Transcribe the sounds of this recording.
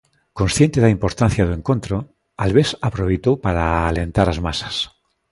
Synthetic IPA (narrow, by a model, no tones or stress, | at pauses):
kõ̞nsθje̞nt̪eðaimpo̞ɾt̪anθjaðoeŋko̞nt̪ɾo | alβesapɾoβejt̪owpaɾaːle̞nt̪aɾazmasḁs